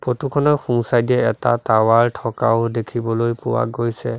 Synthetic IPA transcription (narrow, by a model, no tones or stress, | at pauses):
potukʰɔnɔxuŋsajdiɛɛta̰tawaɹtʰɔkaʊdekʰibɔlojpʊwa̰ɡojsɛ